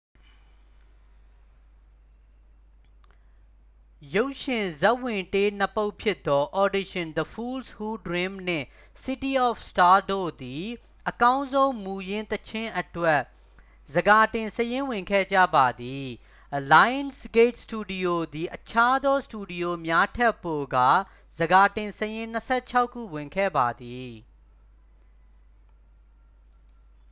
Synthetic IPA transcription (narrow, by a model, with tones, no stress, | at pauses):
jo˦ʊʔʃɪ̃˨zɛ˦ʔwɪ̃˨nte˦nəpo˦ʊʔpʰjɪ˦t̪ːɔ˦ʔɔ˨dɪ˦ʃɪ̃˨nd̪ə˨fʰu˦lshu˦dɹɪ̃˦mn̥ɪ̰̃˦˨ | sɪ˦ti˦ɔ˦˨fsta˦do̰˦˨d̪i˨ | ʔəkã˦ʊ̃nzõ˦ʊ̃mu˨jɪ̃˦nt̪ət͡ɕʰɪ̃˦ʔətwɛ˦ʔ | zəɡa˨tɪ̃˨nsəjɪ̃˦wɪ̃˨ŋkʰɛ̰˦˨d͡ʑä̰˦˨ba˨d̪i˨ | la˦jə̃˦nsɡe˦ɪt̚stu˨di˨jo˨d̪i˨ʔət͡ɕʰa˦d̪ɔ˦stu˨di˨jo˨mja˦tʰɛ˦˨pːo˨ɡa̰˦˨ | z̥əɡa˨tɪ̃˨nsəjɪ̃˦n̥əsʰɛ˦˨t͡ɕʰa˦ʊkʰːṵ˦˨wɪ̃˨ŋkʰɛ̰˦˨ba˨d̪i˨